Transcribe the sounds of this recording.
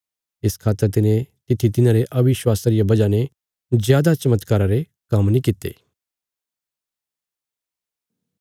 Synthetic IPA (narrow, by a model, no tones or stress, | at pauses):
ɪskʰaːt̪ːəɾt̪ɪnẽt̪ɪt̪ʰːit̪ɪnãɾeʔɐbɪʃwaːsaɾɪjabɐd͡ʒane | zjaːd̪at͡ʃɐmət̪kaːɾaɾe | kɐmnĩkɪt̪ːḛː